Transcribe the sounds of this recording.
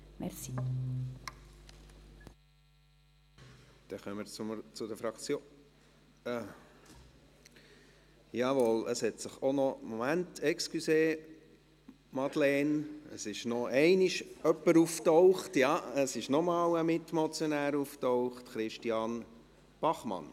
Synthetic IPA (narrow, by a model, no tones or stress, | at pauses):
mɛɾsi | d̪̥ɛχœmːəɾt͡st͡sʊd̪əfɾɑkt͡sjo | jɑːʋɔləshɛtsɪχonɔmːɔmæntʰɛkskyseː | mɑd̥̪lɛːnəsɪʃnɔɛɪnɪʃœpːəɾuftɔʊχtjɑːəsɪʃnɔmɑːwəmɪtmɔt͡sjɔnæːɾuftɔʊχtχɾɪʃtiɑn | b̥ɑχmɑ̰n